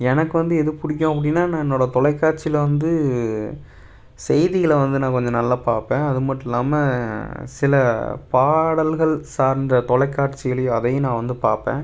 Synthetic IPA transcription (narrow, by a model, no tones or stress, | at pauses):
ɛnɐkːɯʋɐnd̪ɯɛðɯpʊɽɪkʲːõːɐp̬ːɐɽɪnːaːnãːɛnːoːɽɐt̪ɔlɐɪkːaːʈ̚t͡ʃɪlɐʋɐnd̪ɯ | sɛjðɪɣɐlʋɐnd̪ɯnãːkɔɲd͡ʒɐ̃nɐlːaːpaːɾpẽːɐðɯmɐʈːɪlːaːmɐsɪlɐpaːɽɐlɣɐɭsaːɾnd̪ɐt̪ɔɭɐɪkːaːʈt͡ʃːɪɣɐɭɐjʊ̃ɐðɐjʊ̃nãːʋɐnd̪ɯpaːɾpḛ̃ː